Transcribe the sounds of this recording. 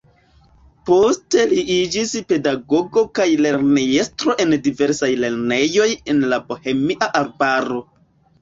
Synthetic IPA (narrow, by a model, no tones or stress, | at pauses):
po̞ste̞liid͡ʒispe̞daɡo̞ɡo̞kajle̞ɾnejestɾo̞ʔe̞ndive̞ɾsajle̞ɾne̞jo̞je̞nlabohe̞miʔaʔaɾbaɾo̞